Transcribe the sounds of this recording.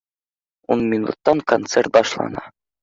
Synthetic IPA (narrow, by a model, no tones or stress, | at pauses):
unmʲinṵt̪ːɑŋkont̪sert̪̚bɑʃlˠɑ̰nɑ